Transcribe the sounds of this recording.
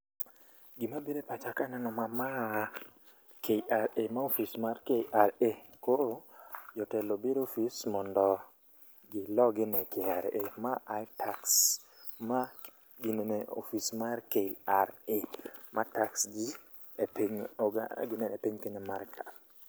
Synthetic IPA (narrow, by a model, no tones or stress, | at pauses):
ɡimabedepat͡ʃakanɛnɔmama | kʰeiaɾemaofismaɾkeiʔaɾekod͡ʒɔtɛlobeɾofismɔndɔ | ɡɪlɔɡɪnɛkɛaɾemaajtʰaks | ma | ɡineneo̰fismarkeiaɾemʔataksɡi | epiɲɔɡa̰ɡɪnɛnepiɲkeɲɛmarkʰḁ